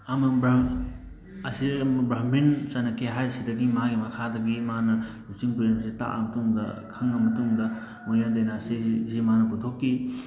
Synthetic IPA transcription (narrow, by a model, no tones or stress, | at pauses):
ɐmɐbɾ | ɐsimɐbɾamint͡ʃɐnɐkeɦajsidɐɡimaɡimɐkʰadɐɡimanɐlut͡ʃiŋpɾemsita̰ʔɐ̰mɐtuŋdɐ̰kʰɐŋːɐmɐtuŋdɐ | munjadejnɐːsizimanɐput̪ʰokːi